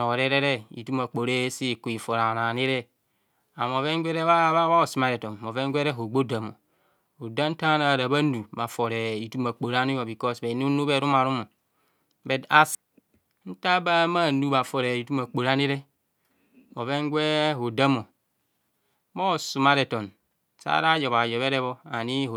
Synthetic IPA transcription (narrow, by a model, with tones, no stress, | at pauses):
o˨ɾe˦ɾe˦ɾe˦ḭ˨tu˦ma˨k͡po˨ɾe˦si˦˨ku˨i˨fo˨ɾa˨na˨ni˦ɾe˦ | a˨m˨o˨ve˦ŋ˦ɡʷe˦ɾe˦βa˦ββa˦˨su˨ma˦˨ɾe˨to˨mo˨ve˦ŋ˦ɡʷe˦ɾe˦ɦo˨ɡ͡bo˦da˨mo̰˨ | o˨da˦n̩˦ta˦na˨ɾa˨ba˦nu˨ba˨fo˨ɾe˨i˨tu˦ma˨k͡po˨ɾa˦ni˦jo˨bi˨kɔ˦sbe˨n˦u˦nu˦be˦ɾu˦ma˨ɾu˦mo˨ | be˨da˦s | n̩˦ta˦ba˦ma˦˨nu˦ba˨fo˨ɾe˨i˨tu˦ma˨k͡po˨ɾa˦ni˦ɾe˦ | mo˨ve˦ŋ˦ɡʷe˦ɦo˨da˦mo˨ | mo˦˨su˨ma˦ɾe˨to˨n | sa̰˦ɾa˦jɔ˨βa˨jɔ˨βe˦ɾe˦βo˦a˨ni˦˨